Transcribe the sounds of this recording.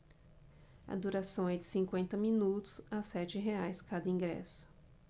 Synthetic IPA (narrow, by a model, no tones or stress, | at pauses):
ɐ̰d̪uɾasɐ̃w̃ɛd͡ʒɪsĩkwẽnt̪ɐmĩnut̪ʊ̥sasɛt͡ʃɪɦeajskad̪ɐĩɡɾɛ̰sʊ̥